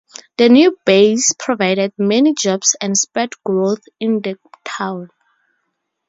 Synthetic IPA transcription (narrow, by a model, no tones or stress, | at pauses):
dənjubespʰɹɔvajɾɛd̚mɛnid͡ʒɔbsɛ̃ndspɛtɡɹoθ | ĩndətʰãwn